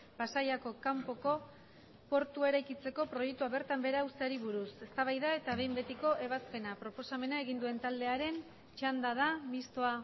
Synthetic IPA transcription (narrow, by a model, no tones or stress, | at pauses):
basajako̞kampo̞ko̞ | po̞ɾt̪ue̞ɾajkit͡se̞ko̞pɾo̞jek̚t̪uaβe̞ɾt̪ambe̞ɾaust̪eaɾiβuɾuse̞st̪aβajðae̞t̪aβe̞jmbe̞t̪iko̞ʔe̞β̞aspe̞napɾo̞po̞same̞nae̞ɣ̞ind̪ue̞nt̪ald̪e̞aɾe̞n | t͡ʃand̪að̞amist̪o̞a